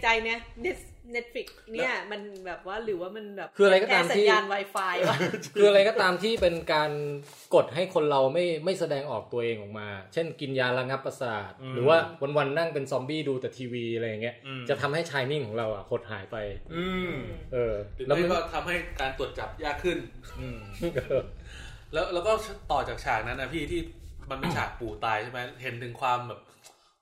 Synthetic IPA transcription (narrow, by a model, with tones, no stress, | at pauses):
t͡ɕa˧jna˦˥ne˦˥ | ne˦˥t̪̚fi˨˩k̚ni˩˥˩ɐma˧nbɛː˨˩p̚waː˥˩ɾɯː˩˦waː˥˩ma˧nbɛː˨˩kʰɯː˧a˧ɾa˧jkɔː˥˩t̪aː˧msʰiː˥aː˧nwaː˧jfaː˧ja˧˩kʰɯː˧ʔa˧ɾa˧jkɔː˥˩t̪aː˧mt̪ʰiː˥˩pe˧nkaː˧n | ko˨˩t̪̚ɦa˥˩jkʰo˧nɾa˧wma˥˩jma˥˩jsa˧dɛː˧ŋʔɔː˨˩k̚t̪u˧ɐʔeː˧ŋʔɔː˨˩k̚maː˧t͡ɕʰe˥˩nki˧njaː˧ɾa˧ŋa˦˥pːɾa˧saː˨˩t̪̚ɾɯː˩˦waː˥˩wa˧nwa˧nːa˥˩ŋpe˧nsɔ˧mbiː˥˩duː˧t̪ɛː˨˩t̪ʰiː˧wiː˧ɾa˧ja˨˩ŋːi˦˥ɐt͡ɕa˨˩t̪ʰa˧mha˥˩jt͡ɕʰaː˧jni˥˩ŋkʰɔː˩˦ŋɾa˧wʔa˨˩kʰo˨˩t̪̚ɦaː˩˦jpa˧jɯː˧ʔɤː˧˨˩lɛː˦˥˦m˥a˧kɔː˥˩t̪ʰa˧mha˥˩jkaː˧nt̪u˨˩ət̪̚t͡ɕa˨˩p̚jaː˥˩kʰːɯ˥˩n˧ | lɛː˦˥wlɛː˦˥wkɔː˥˩t̪ɔː˨˩t͡ɕaː˨˩k̚t͡ɕʰaː˨˩k̚na˦˥nːa˦˥pʰiː˥˩t̪ʰiː˥˩ma˧npi˧nt͡ɕʰaː˨˩k̚puː˨˩t̪aː˧jt͡ɕʰma˦˥ɦe˩˦nt̪ʰɯ˨˩˦ŋkʰwaː˧mbɛː˨˩p̚